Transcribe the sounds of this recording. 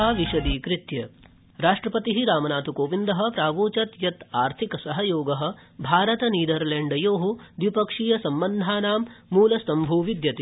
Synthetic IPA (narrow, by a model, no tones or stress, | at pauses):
aːʋiʃɐd̪iːkɾɪt̪jɐ | ɾaːʂʈɾɐpɐt̪iɦiɾaːmɐnaːt̪ukoːʋind̪ɐɦɐ̆pɾaːʋuːt͡ʃɐt̪jɐt̪aːɾt̪ʰikɐsɐɦɐjoːɡɐɦɐ̆bʱaːɾɐt̪ɐniːd̪ɐɾleɳɖɐjoːɦud̪ʋipɐkʂijɐsɐmbɐnd̪ʱaːnaːmːuːlɐsɐmbʱuːʋid̪jɐt̪i